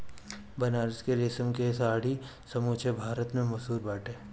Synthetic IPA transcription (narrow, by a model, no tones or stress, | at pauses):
bɐnaːɾskeɾeːsəmkesaːɽi | sɐmoːt͡ʃʰebʱaːɾət̪mẽmɐsuːɾbaːʈeː